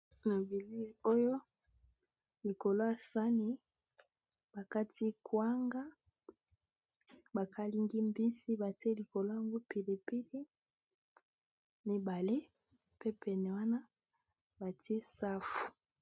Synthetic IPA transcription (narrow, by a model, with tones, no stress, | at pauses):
na˨bi˨li˦˨o˦jo˦ | li˨ko˨lo˦a˨sa˦ni˨ | b̥a˨ka˦ti˦kʰwa˦ŋɡa˦ | ba˨kʰa˦li˦ŋɡi˦mbi˦si˦ba˨ti˦e˦li˨ko˨lo˦a˨ŋɡo˦pi˨li˨pi˦li˦ | mi˦ba˨le˦ | pe˦pɛ˨nɛ˨wa˦na˦ | ba˨ti˦e˦sa˦fu̥˨